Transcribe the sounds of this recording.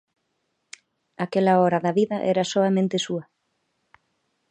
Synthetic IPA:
akelaɔɾɐðɐβiðɐʔɛɾɐsoamẽnt̪esuɐ

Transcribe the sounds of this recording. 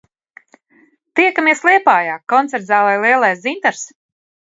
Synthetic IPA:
t̪iɛkamiɛslˠiɛpaːjaːkːɔnt̪sɛɾd̪zaːlˠajlˠiɛlˠajszint̪aɾs

